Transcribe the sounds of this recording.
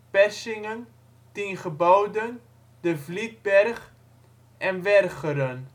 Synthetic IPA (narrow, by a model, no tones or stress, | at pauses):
pɛsɪŋən | tinχəbɔwdən | dəvlit̚bɛrχ | ʔɛnʋɛrχəɾən